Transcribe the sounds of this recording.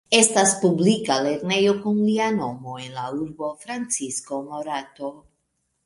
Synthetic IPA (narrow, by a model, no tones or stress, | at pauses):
e̞staspublikale̞ɾne̞jo̞kunliano̞mo̞e̞nlauɾbo̞fɾant͡sisko̞mo̞ɾato̞